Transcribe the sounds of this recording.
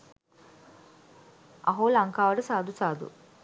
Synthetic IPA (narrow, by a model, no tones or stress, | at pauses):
ʔɐɦoːlɐŋkaːʋɐɖəsaːd̪usaːd̪ṵ